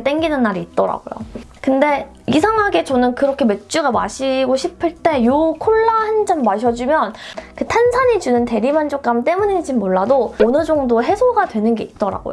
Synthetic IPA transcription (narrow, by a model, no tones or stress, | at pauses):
t͈eŋɡinɯnːaɾiːt̚t͈ʌɾa̰ɡojo̰kɯnde̞ | isʰaŋɦaɡe̞t͡ɕʌnɯnkɯɾʌkʰe̞me̞t͡ɕ͈uɡama̰ɕʰiɡoɕʰipʰɯɭt͈e̞jokʰoɭːahand͡ʑamːaɕʰʌd͡ʑumjʌnkɯtʰansʰaɲid͡ʑunɯnte̞ɾimand͡ʑok͈amt͈e̞muɲid͡ʑimoɭːadoːnɯd͡ʑʌŋdoɦe̞sʰoɡadwe̞nɯnɡe̞it̚t͈ʌɾa̰ɡo̰jo